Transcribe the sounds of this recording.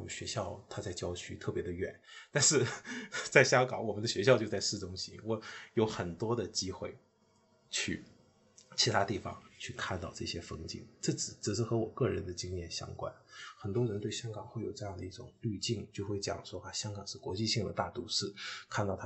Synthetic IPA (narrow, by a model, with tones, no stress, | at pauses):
ɕɥɛ˧˥ɕjɑ˥˧ʊt̪ʰa˥t͡sa˥˩ɪt͡ɕjɑ˥ʊt͡ɕʰy˧˥t̪ʰɤ˥˩pjɛ˧˥d̪ə˧ɥɛ̰˨˩˦nt̪a˥˧nʂɻ̩˥˧t͡sa˥˩ɪɕjɑ˥ŋkɑ˨˩ŋwɔ˨˩mə˦nd̪ə˧ɕɥɛ˧˥ɕ̬jɑ˥˧ʊt͡ɕjo˥˧t͡sa˥˧ɪʂɻ̩˥˩ʈ͡ʂʊ˥ŋɕḭ˧˥wɔ˨˩˦jo˧˥ʊxə˨˩nt̪wɔ˥d̪ə˨t͡ɕi˥xwe˥˩ɪ | t͡ɕʰy̰˥˩ | t͡ɕʰi˧˥t̪ʰa˥t̪i˥˩fɑ̰˨˩ŋt͡ɕʰy˥˧kʰa˥˧nt̪ɑ˥˧ʊʈ͡ʂɤ˥˩ɕjɛ˥fɤ˥ŋt͡ɕḭ˥˩ŋʈ͡ʂɤ˥˩t͡sɻ̩˨˩ʈ͡ʂ̩˨˩ʂ̬ɻ̩˥˩xɤ˧˥wɔ˨˩kɤ˥˩ɻə˧˥nd̪ə˧t͡ɕi˥ŋjɛ˥˩nɕjɑ̰˥ŋkwa̰˥nxə˨˩nt̪wɔ˥ɻə˧˥nt̪we˥˩ɪɕjɑ˥ŋkɑ˨˩ŋxwe˥˩ɪjo˨˩ʊʈ͡ʂɤ˥˧jɑ˥˩ŋd̪ə˩i˥˩ʈ͡ʂʊ̰˨˩˦ŋly˥˧t͡ɕi˥˩ŋt͡ɕjo˥˧ʊxwe˥˩ɪt͡ɕjɑ̰˨˩ŋʂwɔ˥ʔa˥˧˩ɕjɑ˥ŋkɑ˨˩ŋʂɻ̩˥˩kwɔ˧˥t͡ɕi˥˧ɕi˥˩ŋd̪ə̰˩t̪a˥˩t̪u˧˥ʂɻ̩˥˩kʰa˥˧nt̪ɑ˥˩ʊt̪ʰ